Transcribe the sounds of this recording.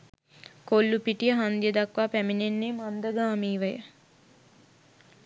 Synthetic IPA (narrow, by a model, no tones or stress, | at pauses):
kolːupiʈijəɦand̪ijəd̪akʋaːpæminenːemand̪əɡaːmiːʋəjə̰